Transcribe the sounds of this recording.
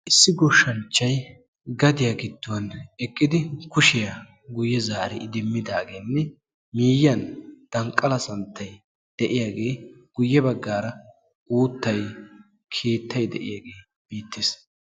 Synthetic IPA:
ʔɪsːɪɡɔʃɐnt͡ʃːɐj | ɡɐd̪ɪjaɡɪd̪ːʊwɐnɛkʼːɪd̪ɪkʊʃɪja | ɡʊjːɛzaːɾɛ̰ɪd̪ɪmːɪd̪aːɡeːnːɛ | miːjːɐnd̪̥ɐŋkʼːɐlɐsɐnt̪ːɐj | d̪̥ɛʔɪjaːɡe̞ːɡ̥ʊjːɛbɐɡːaːɾɐ | ʔuːt̪ːɐj | kʰeːt̪ːɐjd̪ɛ̰ʔɪ̰jaːɡe̞ː | b̥iːt̪ːɪs

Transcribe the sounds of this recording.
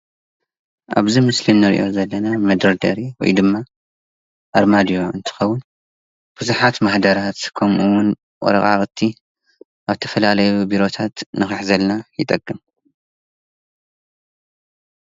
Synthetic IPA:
ʔa̰βzimɨslinːɨɾḭʔo̞̰zɐlːɐnamɐd̪ɾɐɾd̪ɐɾiwɔ̰jd̪ɨmːa | ʔaɾmad̪ijo̞ɨnt̪ʰɨ̥xɐwːʊn | b̥ɨzuħat̪maħd̪ɐɾat̪kʰɐmʔɨwʊn | ʔʼɔ̰ɾɐχʼa̰χʼt̪ʰːi | ʔaβt̪ʰɐfɐlalɐjubiɾo̞t̪ʰat̪nɨxɨħzɐlnajɪt̪ʼɐɡʼːɨm

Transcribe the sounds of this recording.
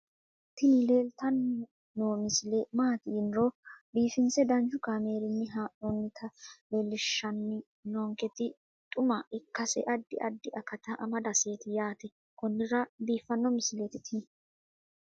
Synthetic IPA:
t̪ɪnɪle̞ːlt̪ɐnː | oːmɪsɪlemaɐt̪ɪɪnɾob̪iːfɪnt͡sɛd̪ɐnd͡ʒʊkaːmeːɾɪnːɪɦaːʔɔnːɪt̪ʰɐleːlːɪʃːɐnːɪ | noːŋkɛt̪ɪ | t̪ʼʊmɐɪkːɐsɛ̰ʔɐd̪ːɪ̰ʔɐd̪ːɪʔɐkɐt̪ɐʔɐmɐd̪ɐse̞ːt̪ɪjaːt̪ɛ | kɔnːɪɾɐd̪iːfːɐnːɔmɪslet̪ɪt̪ʰɪ

